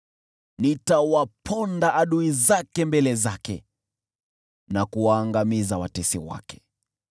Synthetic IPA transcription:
nitawapʰɔndaʔːɗuizakɛmbɛlɛzakɛ | nakuwaːŋɡamizawa̰tɛsḭwa̰kɛ̥

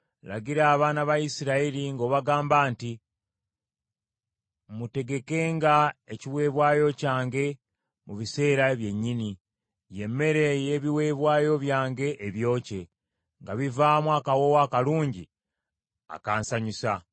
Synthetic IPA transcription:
la̰ɡiɾaːβaːnaβaisiɾaiɾiŋɡo̞ːβaɡaːmbaːnti | mute̞ɡe̞ke̞ːŋɡae̞ciβwe̞ːβwaːjo̞caːŋɡe̞ | muβise̞ːɾaβje̞ɲːini | je̞mːe̞ɾe̞je̞βiwe̞ːβwaːjo̞βjaːŋɡe̞ʔːβjo̞ːce̞ | ŋɡaβivaːmwaːkawo̞wakaluːɲɟi | a̰kaːnsaɲusa

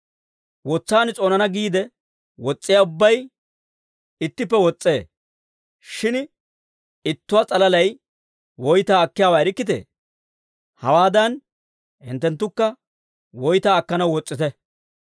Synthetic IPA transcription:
wɔt͡sːaːnɪt͡sʼo̞ːnɐnɐɡiːd̪ɛ | wɔt͡sʼːɪjaːʊbːɐj | ɪt̪ːɪp̬ːɛwɔt͡sʼːe̞ː | ʃɪn | ɪt̪ːʊwat͡sʼɐlɐlɐj | wɔjt̪aːɐkːɪjaːwaːɪɾɪkːɪt̪ḛː | hɐ̰waːd̪ɐn | hɪ̰nt̪ːɛnt̪ːʊkːɐ | wɔjt̪aːɐkːɐnɐwwɔt͡sʼːɪt̪ɛ

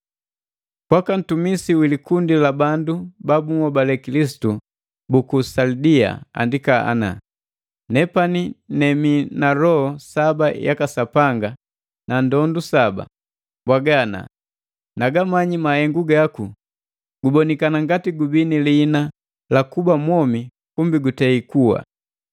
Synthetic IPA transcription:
pwakan̩tumisiwilikundilabandubabuŋɔbalɛkilis̬i̥tu | bukusaldia̰a̰ndikaa̰na̰ | nɛpaninɛminalɔhɔsabajakasapaŋɡa | nandɔndusaba̰ | bwaɡana̰ | naɡamaɲimahɛŋɡuɡaku | ɡ̥ubɔnikanaŋɡatiɡubinilina | lakubamwɔmi | kumbiɡutɛikuwa̰

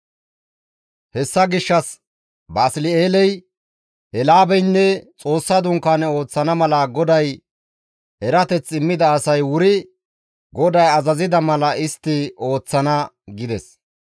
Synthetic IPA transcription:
hɛsːɐɡɪʃːɐs | bɐːslɪeːlɛj | ɛlaːbɛjnːɛt͡sʼo̞ːsːɐd̪ʊŋkːaːnɛo̞ːt͡sːɐnɐmɐlɐɡɔd̪ɐj | ɛɾɐt̪ɛt͡sʼːɪmːɪd̪ɐːsɐjwʊɾɪ | ɡɔd̪ɐjɐzɐzɪd̪ɐmɐlɐɪst̪ːɪo̞ːt͡sːɐnɐ | ɡɪd̪ɛs

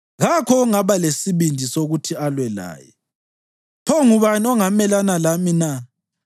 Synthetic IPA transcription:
ɣakʰɔuŋaβalesiβindʱisoɣutʰialwɛla̰ːjɛ | pʰɔŋuβaniɔŋamɛlanalamina

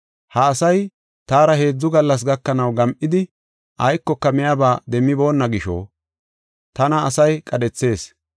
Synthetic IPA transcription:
hɐːsɐj | t̪aːɾɐhe̞ːd͡zːʊɡɐlːɐs̬ɡɐkːɐnɐwɡɐmʔɪd̪ɪ | ʔɐjkːɔkːɐmɪjaːbaːd̪ɛmːɪbo̞ːnːɐɡɪʃo̰ː | t̪ɐnɐːsɐjkʼɐdɛt͡sːe̞ːs

